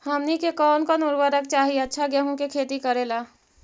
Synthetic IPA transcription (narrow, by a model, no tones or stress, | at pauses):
həmnikekɔːnkɔnuɾbəɾəkt͡ʃaɦiətːʃʰaɡəɦũkekʰet̪ikəɾela